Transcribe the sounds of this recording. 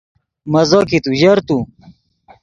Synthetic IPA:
mɐzokit̪uʑɐɾt̪u

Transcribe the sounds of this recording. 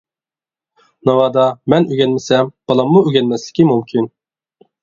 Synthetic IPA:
nɑwɑːd̪ɑmɛnyɡʲɛnmɪsɛmb̥ɑlˠɑmːuøɡʲɛnmɛslɪ̥kʲimumkʲʰin

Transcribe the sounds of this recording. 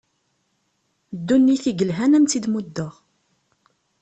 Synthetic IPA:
d̪ːunːiθiɡəlɦænæmt͡sːid̪mud̪ːəʁ

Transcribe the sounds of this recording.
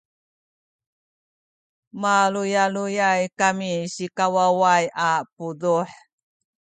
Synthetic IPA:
malujalujajkamiɕikawawajapuduħ

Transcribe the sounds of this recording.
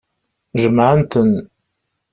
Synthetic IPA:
ʒəmʕənt̪ən

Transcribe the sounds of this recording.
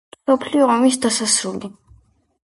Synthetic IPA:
msɔpʰliɔɔmisd̪asasɾuli

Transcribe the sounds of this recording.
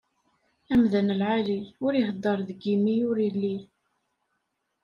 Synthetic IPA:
æmðənəlʕaliʊɾihd̪ˤːəɾˤðəɡimiʊɾilːi

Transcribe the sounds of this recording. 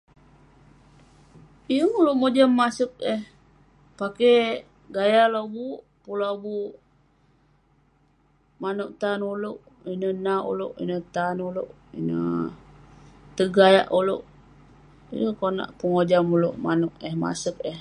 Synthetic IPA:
ijəŋuluʔmod͡ʒamːasək̚ɛh | pake | ɡajalobuʔ | pulabuʔ | manuʔt̪anuluʔ | inənaṵloʔḭnət̪anuloʔ | ḭnə̰ | t̪əɡaja̰ʔulo̰ʔ | ḭjəkona̰ʔpəŋod͡ʒamuloʔmanuʔəhma̰sək̚ɛh

